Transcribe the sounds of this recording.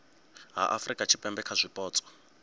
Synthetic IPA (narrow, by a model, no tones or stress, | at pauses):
ɦa̰ʔafrikʼat͡ʃʰi̥pʼɛmbɛkʰazʷipʼɔːt͡sʼɔ̥